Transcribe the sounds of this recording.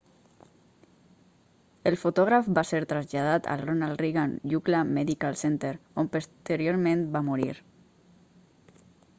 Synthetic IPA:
elˠfut̪ɔɣɾafbaseɾt̪ɾazʎað̞at̪a̰lronald̪riɣanʎuklamɛðikalˠsent̪eɾompost̪əɾjoɾmẽnbamuɾḭɾ

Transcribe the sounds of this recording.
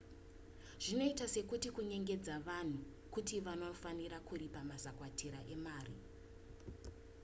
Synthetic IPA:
ʐ̥ino̞itase̞kutikuɲe̞ŋɡe̞d͡zaʋan̤u | kutiʋanofaniɾakuɾipamazakwatʰiɾaʔe̞maːrḭ

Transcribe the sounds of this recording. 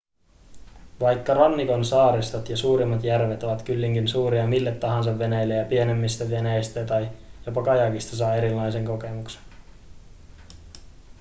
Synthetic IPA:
ʋɑjkːɑrɑnːiko̞nsɑːɾist̪ot̪jɑsuːɾimːɑt̪jærʋet̪o̞ʋɑt̪kylːiŋkinsuːɾiɑmilːe̞t̪ːɑɦɑns̬ɑʋːe̞nejlːejɑpie̞ne̞mːist̪æʋe̞nejst̪æt̪ɑjjopɑkɑjɑkist̪ɑsɑːe̞ɾilːɑjse̞ŋko̞ke̞mukse̥n

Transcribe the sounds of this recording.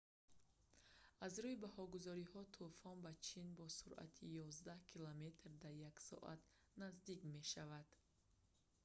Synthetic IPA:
azɾuibahɔɡuzɔɾihɔt̪ʰufɔnbat͡ʃʰinbɔsuɾʔa̰t̪ʰijɔzd̪ahkʰilɔme̞t̪ɾd̪aɾjaksɔ̰ʔa̰t̪ | nazd̪ikme̞ʃavad̪̥

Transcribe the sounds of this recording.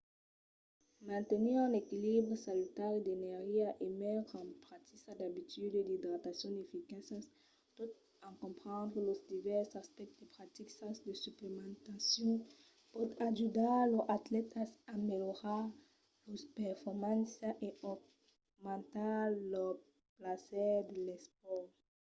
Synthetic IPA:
mɛ̃nt̪eniʁɛ̃nekilibʁisalit̪aʁd̪enɛʁʒiaʔemɛɑ̃pʁat̪isad̪abit̪yd̪d̪id̪ʁat̪asjɔ̃d̪efikasas | pɔt̪ | ɑ̃kɔ̃mpχɑ̃d̪ʁəlosd̪ivɛʁsaspɛk̚t̪d̪epχat̪iksasd̪əsyplemɑ̃t̪asjɔ̃ | pɔt̪aʒud̪alɔat̪lɛt̪asameljoʁa | lospɛʁfɔʁmãnsaʔeɔ | mɑ̃nt̪alɔ | plasɛd̪elɛspɔʁ

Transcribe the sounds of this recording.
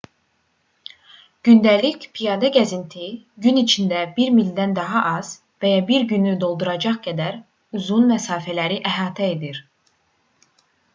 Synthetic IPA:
ɟ̥ynd̪ælicpʰijɑd̪ɑɡæzint̪ʰiɟynit͡ʃʰind̪æbiɾmild̪ænd̪ɑɦɑʔɑz̥ | væjɑbiɾɟynyd̪o̞lˠd̪uɾɑd͡ʒɑχɡæd̪æɾ | uzunmæsɑːfælæɾiʔæɦɑːt̪ʰæe̞d̪iɾ

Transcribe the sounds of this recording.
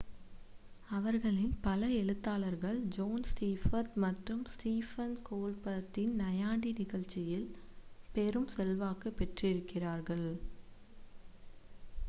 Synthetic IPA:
ɐʋɐɾɣɐɭɪnpɐlɐɛɻɯt̪ːaːlɐɾɣɐɭd͡ʒoːnstiːfɐt̪mɐʈrɯmsʈiːfɐnkoːlpɐɐt̪ːɪnnɐjaːɳɽinɪɣɐɭt͡ʃːɪjɪlpɛɾɯmsɛlʋaːkɐpːɛʈrɪɾɯkːɪraːɾɣɐɭ

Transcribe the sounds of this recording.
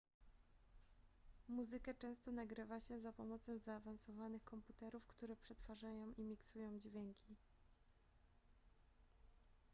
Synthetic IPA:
muzɘkat͡ʂɛ̃w̃st̪ɔnaɡɾɘvaɕɛzapɔmɔt̪sɔ̃w̃zaːvansɔvanɘxkɔmput̪ɛɾufkt̪uɾɛpʂɛt̪faʐajɔ̃w̃ʔimʲiksujɔ̃w̃d͡ʑvʲjɛŋkʲi

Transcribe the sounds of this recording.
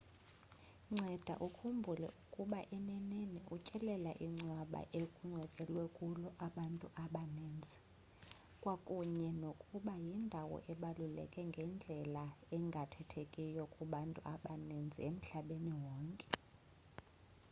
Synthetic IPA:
ŋ͡ǀɛd̥ʱa̰ʔukʰumbʱulɛ̰ʔukʼuɓaʔɛnɛneniʔut͡ʃʼɛlɛlaʔiŋ͡ǀwaɓa̰ʔekʼuŋ͡ǀʱwɛkʼɛlwɛkʼulɔʔaɓantʼuʔaɓaneːnd͡zʱi | kʼwakʼuɲɛnokʼuɓajindʱawɔ̰ʔɛɓalulɛ̰kʼɛŋɡʱɛnd͡ɮʱɛlaɛŋɡʱatʰɛtʰekʼijɔkʼuɓantʼuaɓanend͡zʱḭem̩ɬaɓeniwɔːŋkʼɛ̥

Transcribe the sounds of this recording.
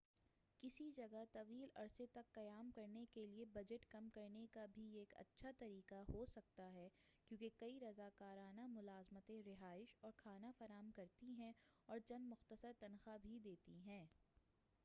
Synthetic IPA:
kɪsid͡ʒɐɡat̪ɐʋiːlɐ̰ɾset̪ɐkːɐjaːmkɐɾnekeliebɐd͡ʒəʈkɐmkɐɾnekabʱieːkɐ̰tːʃʰat̪ɐɾiːqaɦosɐk̚t̪aɦɛkjũːkekɐiɾɐzaːkaːɾaːnamʊlaːzmət̪ẽɾɪɦaːɪʃɔːɾkʰaːnafɐɾaːmkɐɾt̪iɦɛ̃ɔːɾt͡ʃɐnmʊxt̪əsəɾt̪ɐnxabʱid̪eːt̪iɦɛ̃ː

